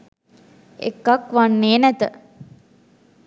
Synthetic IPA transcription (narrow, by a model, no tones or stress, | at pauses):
ḛkːakʋanːeːnæt̪ə